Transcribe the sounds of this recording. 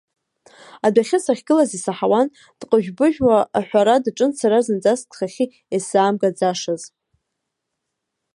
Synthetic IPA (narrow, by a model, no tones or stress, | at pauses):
adʷaχʲɪsaχʲɡɨlazisaħawan | d̥qʼəʒᶣbɨʒᶣwaːħʷᶣaɾadaʈ͡ʂʼɨnt͡sʰaɾazɨnd͡zastʰʼχaχʲi | esaːmɡad͡zaʂaz